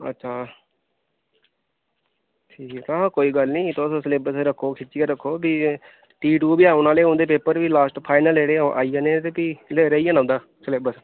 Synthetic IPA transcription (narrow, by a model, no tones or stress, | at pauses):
ə̰tːʃʰaː | ʈʰiːkːt̪akoːiːɡəlnĩːt̪oːsõːsəleːbəɾsɾəkʰːoːkʰɪt͡ʃːiaːɾəkʰːoːbiː | ʈiːʈuːbiːaːʊnaːleːõnd̪eːpeːpəɾʋiːlaːsʈpʰaːɪnəleːɽeːʔa̰ːiːãːnẽːt̪eːpiːlɾeiːãːnãːnd̪aː | səleːbəɾs